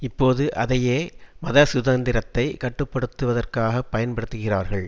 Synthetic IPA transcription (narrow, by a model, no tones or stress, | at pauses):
ɪpːoːðɯʔɐðɐjeːmɐðɐsʊðɐnd̪ɪɾɐt̪ːɐɪkɐʈːɯpːɐɽɯt̪ːɯʋɐðɐrkaːɣɐpːɐjɐnpɐɽɯt̪ːɯɣɪraːɾɣɐɭ